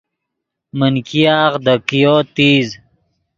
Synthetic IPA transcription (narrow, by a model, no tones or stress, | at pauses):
mənkijaːʁd̪əkijoːt̪iːz